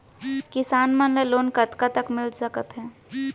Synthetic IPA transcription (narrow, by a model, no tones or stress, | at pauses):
kɪsaːnmɐnleloːnkɐt̪kat̪əkmɪlzɐkət̪ɦɛ̃ː